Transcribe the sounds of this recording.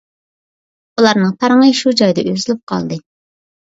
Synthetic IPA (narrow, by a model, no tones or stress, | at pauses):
ulˠɑɾnɨŋpʰɑɾŋɨʃud͡ʒɑjd̪ɛʔøzylʲyp̚qʰɑ̰lˠd̪ɨ